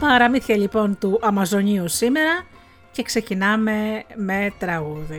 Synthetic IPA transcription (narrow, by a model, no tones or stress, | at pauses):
pɐɾɐmiθçɐʎipo̞nt̪uʔɐmɐzo̞ɲiusime̞ɾɐ | ce̞kse̞cinɐme̞me̞t̪ɾɐɣuði